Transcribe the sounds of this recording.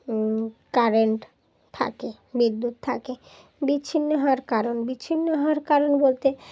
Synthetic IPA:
kaɾeɳʈ | t̪ʰa̰ke | bid̪ːut̪t̪ʰake | biɕʰinːoɦaaɾkaɾonbiːɕʰinːoɦɔaɾkaɾonbolt̪e

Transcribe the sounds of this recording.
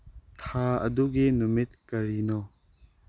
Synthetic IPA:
t̪ʰaɐ̰duɡinumit̪̚kɐɾinɔ

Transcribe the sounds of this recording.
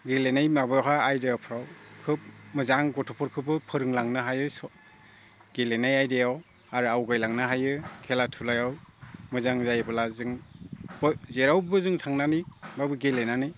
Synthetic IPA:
ɡelenajmabɯjɦaajdejawpʰɾawkʰɯp̚mɯzaŋɡɔtʰɔpʰɔɾkʰɯbɯpʰɯɾɯŋlaŋnɯɦajɯsɔ | ɡelenajajdejaw | aɾɯawɡajlaŋnɯɦajɯkʰelatʰulajawmɯzaŋzajbɯlazɯŋɔzeɾawbɯzɯŋtʰaŋnanɯbabɯɡelenanɯj

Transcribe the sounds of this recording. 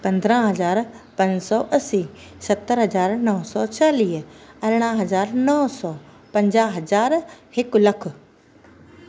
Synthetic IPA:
pɐ̃nd̪ɾə̃ɦɐzaːɾ | pɐ̃ɲd͡ʑsɔːʔɐsiːsɐt̪ːəɾɦɐzaːɾnɐɦsɔt͡ɕaːliːɦɐɾɽ̃aɦɐzaːɾnɔɦsɔː | pɐ̃ɲd͡ʑaːɦɐzaːɾhɪklɐkʰʊ̆

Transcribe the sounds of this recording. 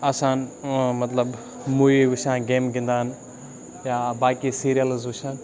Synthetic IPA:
ɐsãːnmɐt̪ləb | muiʋɪʃãːɡeːmɡĩnd̪aːɦn | jaːbaːkisiɾijəlɪzʋʊʃãːn

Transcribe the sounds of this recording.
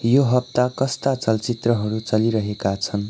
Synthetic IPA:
joɦʌp̚t̪akʌst̪at͡sʌlt͡sit̪rʌɦʌɾut͡sʌliɾʌɦekat͡sʰʌn

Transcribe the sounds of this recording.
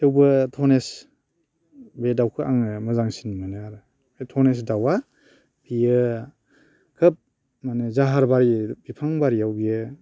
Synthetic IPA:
hewbɯtʰɔnes | bedawkʰɯʔaŋɯmɯzaŋsinmanɯaɾɯ | etʰɔnes̬dawa | bijɯ | kʰɯp̚ | manezaɦaɾbaɾibipʰaŋbaɾijawbijɯ

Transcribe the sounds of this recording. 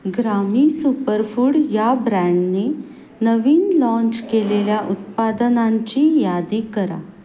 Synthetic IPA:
ɡɾamiːsupəɾfuːɽjabɾæ̃ɳɖne | nəʋiːnlɔ̃ɲt͡ɕkeleljaʔut̪̚pad̪ənaɲt͡ɕiːjad̪iːkəɾa̰

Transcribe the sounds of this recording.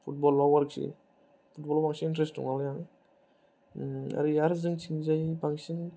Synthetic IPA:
pʰut̚bɔlawaɾksḭ | pʰut̚bɔlabaŋsiŋintɾestṵŋaljaŋ | a̰ɾijaɾzɯŋt͡ʃʰiŋzajbaŋsiŋ

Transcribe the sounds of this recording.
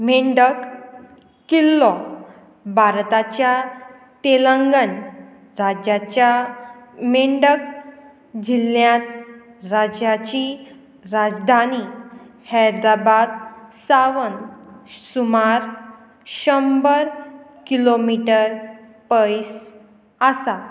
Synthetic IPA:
meɳɖək | kːilːɔ | bʱaɾt̪at͡ɕja | t̪eləŋɡən | ɾad͡ʑat͡ɕja | meɳɖək̚ | d͡ʑiljãt̪ɾad͡ʑjat͡ɕi | ɾad͡zd̪ʱanihɛjd̪ɾabad̪̚saʋənsumaɾ | ɕəmbəɾkilomiʈəɾ | pəjs | əsa

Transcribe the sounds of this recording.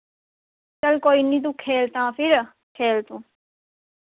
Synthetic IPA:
t͡ʃɐlkoːinĩːd̪̬ukʰːeːlt̪ãːpʰɪɾ | kʰeːlt̪ũ

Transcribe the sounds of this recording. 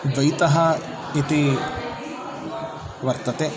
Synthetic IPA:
d̪ʋɐjt̪ɐɦɐ | it̪i | ʋɐɾt̪ɐt̪e

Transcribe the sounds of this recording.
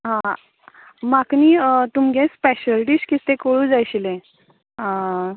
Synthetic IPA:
ɦã | makniːt̪umɡẽspɛɕəlʈiːɕkit̪ekoɭũd͡zajɕilẽ | ɦã

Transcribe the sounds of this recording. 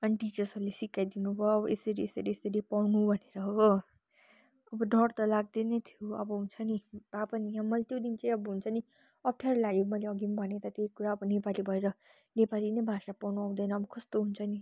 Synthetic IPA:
ʌniʈit͡ʃʌrsʌlesikːajd̪inubʱʌjʌbʌesʌɾiesʌɾiesʌɾipawnubʱʌneɾʌɦʌʌ | ʌbʌɖʱʌrt̪ʌlaɡ̚d̪enet̪ʰjoʌbʌɦunt͡sʰʌnib̥apʌnijãmʌlet̪jod̪int͡sʌj̃ʌbʌɦunt͡sʰʌni | ʌp̚ʰʈʰaɾlaɡemʌjleʌɡimbʱʌnet̪at̪ekuɾaʌbʌnepalibʱʌeɾʌ | nepalinʌjbʱasapawnuãw̃d̪ʌjnʌːbʌkʰʌst̪oɦunt͡sʰʌni

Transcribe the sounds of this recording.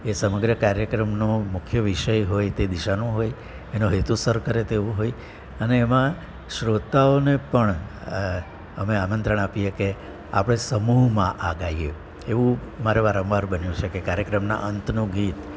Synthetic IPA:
esəməɡɾəkaɾjəkɾəmnomʊkʰjəʋiʃəjɦojt̪ed̪iʃanũɦoj | enõɦet̪usəɾkəɾet̪eʋũɦoj | əneːmã | ʃɾot̪aonepəɳ | əmeamənt̪ɾəɳapijeke | a̰pɽ̃esəmuɦmãʔaɡaje | eʋũmaɾeʋaɾə̃ʋʋaɾbənjũt͡ʃʰekekaɾjəkɾəmna̰ʔənt̪nõɡit̪

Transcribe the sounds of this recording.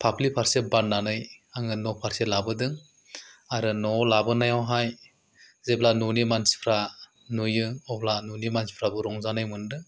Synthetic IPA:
pʰapʰlipʰaɾsebanːanɯjaŋɯnɔpʰaɾselabɯdɯŋ | aɾɯnɔlabɯnajawɦaj | zeblanunimansi̥pʰɾa | nujɯɔblanunimansi̥pʰɾabɯɾɔŋzanɯjmɯndɯ

